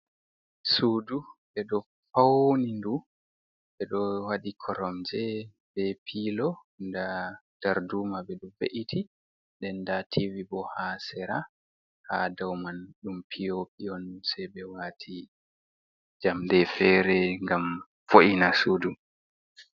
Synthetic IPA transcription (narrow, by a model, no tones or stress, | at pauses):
suːduɓɛɗɔ | fawnindu | ɓɛɗɔwaɗikʰɔɾɔmd͡ʒɛ | bɛpʰilɔ | ndad̥aɾdumabɛɗɔvḛʔitʰi | ɗɛndatʰivibɔhasɛɾa | hadawmanɗumpʰijopiɔnsɛjɓɛwatʰi | d͡ʒamdɛfɛːɾɛŋɡam | foʔinasuːdu